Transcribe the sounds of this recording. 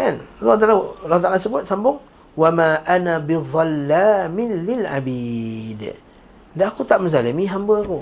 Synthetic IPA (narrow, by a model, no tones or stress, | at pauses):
kanlɔt̪alalat̪alasəbʊt̪̚sambʊŋ | wamaʔanabiðˤalːamɪnlɪlʔa̰bid | daʔakut̪aʔməzaləmiɦambəaku